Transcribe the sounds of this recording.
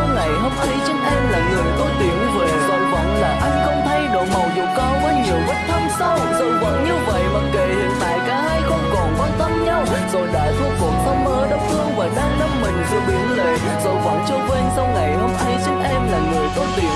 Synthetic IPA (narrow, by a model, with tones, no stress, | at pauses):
wŋa˨˩jɦo˧mt̪ʰə˨˦jt͡ɕɨ˦˥ək̚ʔɛ˧mlaː˨˩ŋɨ˨˩əjt̪ɔ˨˦t̪i˨˩ənve˨˩zə̰˧˩˦wvɔ̰˧˦wŋ͡mlaː˨˩ʔa˧jŋ̟xə˧wŋ͡mt̪ʰa˧jɗo˧˨˩jmə˨˩wzḭ˨˧˩əkɔ˨˦ma˧jŋ̟zṵ˨˩və˦˥t̚t̪ʰə˧ŋ͡msa˧wzə˨˩wŋ͡mvɔ̰˧˨˦wnʔi˧əwvə̰˧˨jɓə˦˥t̚kḛ˧˨hḭ˨ənt̪a̰ː˧˨jkaː˨˦ha˧jxə˧wŋ͡mkɔ˨˩nkɔ˨˦t̪ə˧mɲa˧w | zo˨˩jɗa̰ː˧˥zu˦˥ək̚vʊ̰˨˩ŋ͡mt̪ʰə˨˦wŋ͡mʔəː˧˦ɗə˨˦˥wk͡p̚t̪ʰɨ˧əŋvaː˨˩ɗaː˧ŋɗə˦˥m̚mï˨˩ŋ̟zḭ˧˥ɓi˨˦ənle˧˩ | zə̰˧˩wvɔ̰˧˨˦wŋ͡mt͡ɕə˧kwe˧nsa˧wŋa˨˩jho˧mt̪ʰi˨˦t͡ɕɨ˦˥ək̚ʔɛ˧mlaː˨˩ŋɨ˨˩əjt̪ɔ˨˦t̪i˨˩ə